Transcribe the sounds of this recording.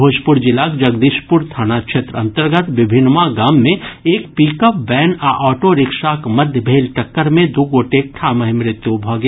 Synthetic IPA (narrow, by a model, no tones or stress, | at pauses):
bʱoːd͡ʒpʊɾd͡ʒɪlaːkd͡ʒəɡd̪iːʃpʊɾt̪ʰaːnakʃet̪ɾɐ̰̃nt̪əɾɡət̪ʋɪbʱɪnːmaɡaːmːẽeːkpiːkəp̚bɛːnaʔɔːʈoɾɪkʃakmɐd̪ʱjəbʱeːlʈɐkːəɾmẽd̪uɡoːʈek̚ʈʰaːməɦimɾɪt̪jubʱɔɡ